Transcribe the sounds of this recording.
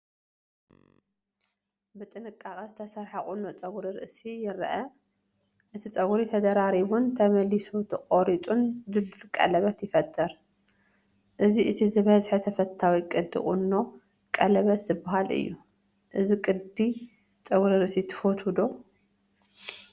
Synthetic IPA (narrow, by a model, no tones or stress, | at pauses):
bɨt̪ʼɨnɨkʼːaχʼɐzt̪ʰɐsɐɾħakʼunːot͡sʼɐwɾiɾɨ̰ʔsijɪɾɐ̰ʔɐ | ʔɨt̪ʰit͡sʼɐwɾit̪ʰɐd̪ɐɾaɾiβunt̪ʰɐmɐlisut̪ʰɨqʼoɾit͡sʼund̪ɨllkʼɐ̰lɐβɐt̪jɪfɐt̪ʰʼːɨɾ | ʔɨziʔɨt̪ʰizɨβɐzħet̪ʰɐfɐt̪ʰːawikʼɨd̪ːḭχʼṵnːo̞ | kʼɐlɐβɐt̪z̥ɨbɐɦalʔɨ̰jːu | ʔɨzikʼɨd̪i | t͡sʼɐwɾiɾɨʔsit̪ʰɨ̥fot̪ʰud̪o